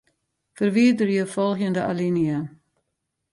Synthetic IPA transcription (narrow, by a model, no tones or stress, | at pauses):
fərvidərjəwfɔlˠxjəndəʔaliniə